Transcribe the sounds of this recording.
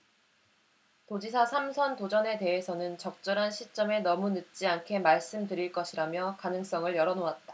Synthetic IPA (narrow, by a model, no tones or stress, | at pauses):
tod͡ʑisʰasʰamsʰʌntod͡ʑʌne̞te̞esʰʌnɯnt͡ɕʌk̚t͡ɕ͈ʌɾɦanɕʰit͡ɕ͈ʌme̞nʌmunɯt̚t͡ɕ͈iankʰe̞maɭs͈ɯmdɯɾiɭk͈ʌɕʰiɾamjʌkanɯŋs͈ʌŋɯɭjʌɾʌnoat̚t͈ḁ